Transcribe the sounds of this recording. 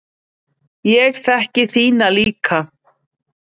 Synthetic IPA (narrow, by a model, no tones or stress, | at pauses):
jɛɣθɛhcɪθiːnaliːkʰa